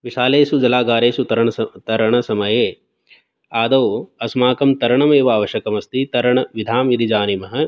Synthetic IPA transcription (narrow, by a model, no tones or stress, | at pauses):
ʋiʃaːleːsud͡ʒɐlaːɡaːɾeːsut̪ɐɾɐɳɐt̪ɐɾɐɳɐsɐmɐjeː | aːd̪ɐwɐsmaːkɐmt̪ɐɾɐɳɐmeːʋaːʋɐʃɐkɐmɐst̪it̪ɐɾɐɳɐʋid̪ʱaːmiɾid͡ʒaːnimɐɦɐ̆